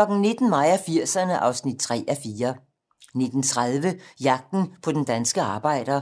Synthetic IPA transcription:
lɒ̽ɡ̥n̩ne̝d̥n̩mɑ̈ɪ̰æfiɐ̰sɐnəʔɑ̈ʊsnid̥̚t͡sʰʁɛ̰ːæfiːɐ | ne̝d̥n̩t͡sʰʁað̞ˠʋəjɑ̈ɡ̥̚d̥n̩pʰɒ̽d̥end̥ænsɡ̥əɑ̈ːb̥ɑ̈ɪ̰d̥ɐ

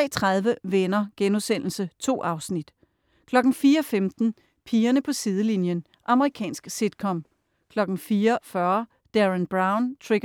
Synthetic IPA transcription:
ɛ̰ːt͡sʰʁɑ̈ð̞ˠʋəʋenɐɡ̥enusen̰l̩sət͡sʰo̝̰ːʔɑ̈ʊsnid̥ | kʰlɒ̽ɡ̥n̩fiːɐɒfemd̥n̩ | pʰiːɐnəpʰɒ̽sið̞ˠəlinjən | ʔɑ̈məʁikʰɛ̰ːnsɡ̥sid̥kʰɒ̽m | kʰlɒ̽ɡ̥n̩fiːɐfɶɐ | d̥æʁænb̥ʁɑ̈ʊnt͡sʰʁeɡ̥

